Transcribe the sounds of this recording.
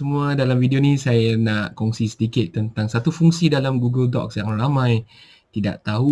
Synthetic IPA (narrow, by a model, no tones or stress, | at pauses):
əmuadalamvidionĩsajanaʔkɔŋsisət̪ikɪt̪̚ːənt̪aŋsat̪ufuŋsidalamɡuɡəldɔ̰k̚saŋaramãj | t̪ida̰ʔt̪aɦu